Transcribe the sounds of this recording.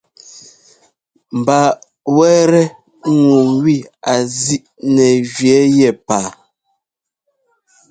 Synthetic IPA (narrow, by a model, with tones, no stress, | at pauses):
m̩˨ba˨ | wɛ˦ɾɛ˦ | ŋu˨ŋwi˦˨a˨zi˦ʔ | nɛ˨ʒɥɛ˨˦jɛ˨paː˨˦